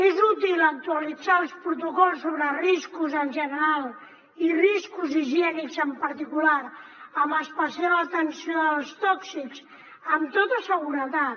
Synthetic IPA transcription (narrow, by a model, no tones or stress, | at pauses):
ezut̪ilˠək̚t̪uəlid͡zaəlˠspɾut̪ukɔlˠsːoβɾəriskuzənʲʒənəɾalˠ | iriskuziʒiɛnikzəmpəɾt̪ikulaɾəməspəsialət̪ənsioðəlˠst̪ɔksikz | əmt̪ot̪əsəɣuɾət̪a